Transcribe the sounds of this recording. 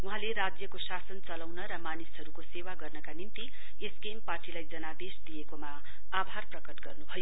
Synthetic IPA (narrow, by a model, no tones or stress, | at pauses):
wuɦãleɾad͡zjʌkosasʌnt͡sʌlawnʌɾʌmanisɦʌɾukosewaɡʌrnʌkanint̪i | esɡemparʈilajd͡zʌnabesd̪ijekomaː | bʱarprʌkʌʈɡʌrnubʱʌjo